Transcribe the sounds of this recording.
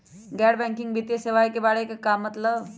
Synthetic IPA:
ɡɛɽbɛ̃ŋkiŋɡbʱit̪eseʋajkebaɽekakamːət̪ləʋ

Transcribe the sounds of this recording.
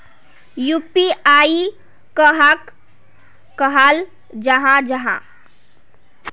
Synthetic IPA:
jupiai | kəɦakː | əɦal | d͡ʒəɦãd͡ʒəɦã̰

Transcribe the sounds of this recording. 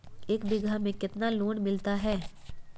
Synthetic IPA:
eːkbɪɡʱamẽkɪt̪naloːɳmɪlt̪aɦɛː

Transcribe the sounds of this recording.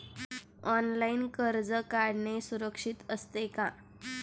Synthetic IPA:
ɔnlainkəɾd͡zəkaɽnesuɾəkʂit̪əst̪eka

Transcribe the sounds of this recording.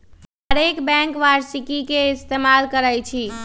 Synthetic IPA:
ɦəɾekbɛ̃ŋkʋaɾsikikeist̪emalkəɾəjt͡ʃʰi

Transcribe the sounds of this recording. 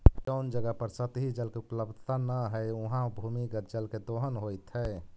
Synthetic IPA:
d͡ʒəʊnd͡ʒəɡəpəɾsət̪ɦid͡ʒəlkeupləbd̪ʱt̪anəɦəɪuɦãbʱumiɡəɾd͡ʒəlked̪oɦənɦojt̪ɦɛɪ

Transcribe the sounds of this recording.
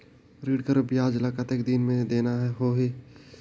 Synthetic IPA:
ɾiːɖkɐɾobjaːd͡ʒɐlaːkat̪eːk̚d̪inmẽd̪eːnaɦɛɦoːɦe

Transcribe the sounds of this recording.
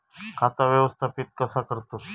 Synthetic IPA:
kʰat̪aʋjəʋəst̪ʰapit̪̚kəsakəɾt̪o

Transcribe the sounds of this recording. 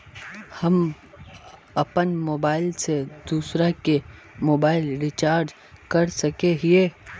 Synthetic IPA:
hɐm | ɐpənmoːbaːɪlsed̪uːsɾake | moːbaːɪlɾɪt͡ʃaːɾd͡ʒ | kɐɾsɐkeɦieː

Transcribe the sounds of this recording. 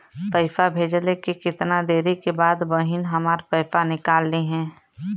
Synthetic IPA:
pəɪfabʱeːd͡ʒəlekekɪt̪nad̪eːɾekebaːd̪bəɦɪnɦɐmaːɾpəɪfanɪkaːlːeɦɛ̃ː

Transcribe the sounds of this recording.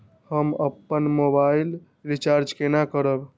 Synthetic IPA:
həməpːənmobail | ɾit͡ʃaɾd͡ʒkenakəɾəb

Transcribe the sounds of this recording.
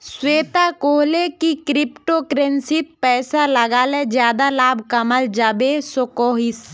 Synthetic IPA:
sweːt̪akoːɦlekikɾɪpʈokɾensɪt̪̚pɛːsaləɡaːled͡ʒjaːd̪alaːbʱkəməld͡ʒabesokoːɦɪs

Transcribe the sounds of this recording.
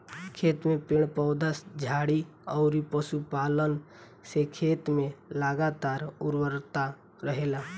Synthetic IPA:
kʰeːt̪mẽpɪɳ̃pəʊd̪əsd͡ʒʱaːɽi | ɔʊɾipəʃupaːlən | sekʰeːt̪mẽləɡat̪aːɾʊɾwəɾt̪a | ɾəɦeːla

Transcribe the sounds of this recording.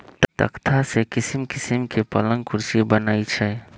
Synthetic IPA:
t̪t̪ə̰kt̪ʰasekɪsmkɪsɪmkepɐlə̃ŋɡkʊɾʃibənaːit͡ʃʰɛː

